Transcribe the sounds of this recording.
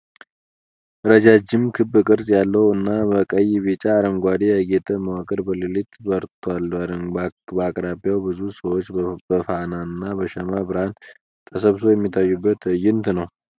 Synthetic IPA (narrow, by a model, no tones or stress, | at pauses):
ɾəd͡ʒad͡ʒːɪmkʰɨbɨkʼɨɾsʼjalːəwɨnːabəkʼəjβit͡ʃʼaːɾəmɡʷad̪eəɡet̪ʰʼəməwakʼəɾbəlɨlit̪bəɾt̪ʰwalɾbəakʼɾabijawbɨzusəwot͡ʃːbəfanaɨnːabəʃəmabɨɾhan | t̪ʰʼəsəβso̞jɛmːit̪ʰːajːubːət̪jɪnt̪nəw